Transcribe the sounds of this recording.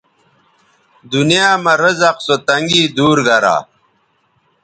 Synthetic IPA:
d̪unijaːmɐɾɐzɐqsot̪ɐŋɡiːd̪uːɾɡɐɾa̰ː

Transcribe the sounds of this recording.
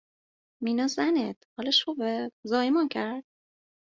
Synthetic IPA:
minɒzænet̪hɒːlɔʃubezɒːjimɔncʰæɾd̪̥̚

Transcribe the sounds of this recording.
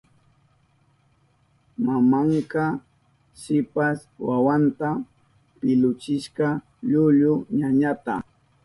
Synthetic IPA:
mamaŋkɑ | sɪpaswawant̪a | pɪlʊt͡ʃɪʃkɑ | ʎʊʎʊɲaɲat̪a̰

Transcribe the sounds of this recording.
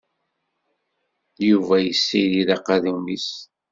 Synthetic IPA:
juvæjəsːiliðɑqɑðumis

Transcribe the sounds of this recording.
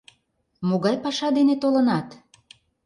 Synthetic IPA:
moɣɑjpɑʃɑd̪enet̪olə̆nɑt̪

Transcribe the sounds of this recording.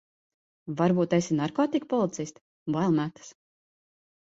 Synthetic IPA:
vaɾbuːt̪ajsinaɾkɔːt̪ikpɔlˠit̪sisʲt̪ | bajlˠmæt̪ə̥s

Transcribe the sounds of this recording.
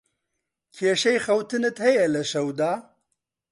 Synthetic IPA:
kʰeːʃɛjxɐwt̪ʰɨnɨt̪hɛjɛlɐʃɐwd̪aː

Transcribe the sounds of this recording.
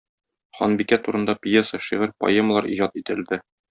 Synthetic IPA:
χɒ̰nbikæt̪uɾɤ̆nd̪ɑpʲjesəʃiʁɘɾpɐ̰eməlˠɑɾʔḭʑɑt̪it̪ɘ̆ld̪ɘ

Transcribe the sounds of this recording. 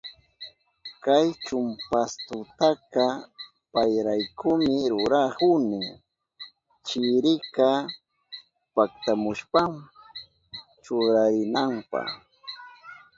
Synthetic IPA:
kajt͡ʃʊmpast̪ʊt̪aka | pajɾajkʊmɪɾʊɾahʊnɪ | t͡ʃɪɾɪka | pak̚t̪amʊʃpam | t͡ʃoɾaɾɪnampɑ̰

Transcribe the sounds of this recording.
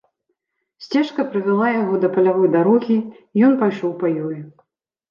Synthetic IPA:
sʲt͡sʲɛʂkɐpɾɨvʲalˠajaɣɔd̪ɐpɐlʲavɔjd̪aɾɔɣʲi | jɔnpajʂɔwpɐjɔju

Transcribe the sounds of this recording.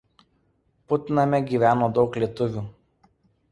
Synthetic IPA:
pʊt̪ʲɪnɐmʲɛɡʲiːʋʲæːnoːd̪ɒʊklʲiɛt̪ʊʋʲuː

